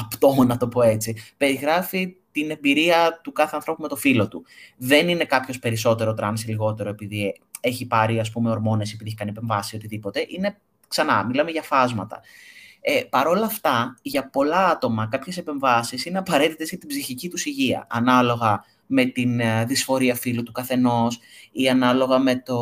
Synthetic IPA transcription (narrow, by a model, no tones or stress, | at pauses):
ɐpt̪omonɐt̪o̞po̞e̞t͡sipe̞ɾiɣɾɐfit̪ine̞mbiɾiɐt̪ukɐθeɐnθɾo̞pume̞t̪o̞filo̞t̪uðe̞nine̞kɐpço̞spe̞ɾiso̞t̪e̞ɾo̞t̪ɾɐnsiliɣo̞t̪e̞ɾo̞e̞piði | e̞çipɐɾiɐspumeo̞ɾmo̞ne̞sipiðieçkɐnipe̞ɱvɐssio̞t̪iðipo̞t̪e̞ʔine̞ | ksɐnɐ̰milɐme̞ʝɐfɐzmɐt̪ɐ̰epɐɾo̞lɐft̪ɐʝɐpo̞lɐɐt̪o̞mɐkɐpçe̞sepe̞ɱvɐsisineɐpɐɾe̞t̪it̪ezʝɐt̪ibziçicit̪usiʝiɐ̰ʔɐnɐlo̞ɣɐ | me̞t̪inðisfo̞ɾiɐfilut̪ukɐθe̞no̞siɐnɐlo̞ɣɐme̞t̪o